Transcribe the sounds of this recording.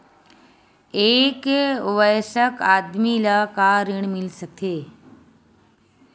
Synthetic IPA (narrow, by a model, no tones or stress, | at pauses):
eːkʊʋəjsəkaːd̪milaːkaːɾɪɳ̃mɪlsək̚t̪ʰeː